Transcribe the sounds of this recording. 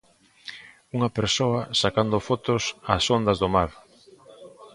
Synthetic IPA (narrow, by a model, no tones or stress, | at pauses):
uŋɐpeɾsoɐsakand̪ʊfot̪ʊsasond̪ɐzðʊmaɾ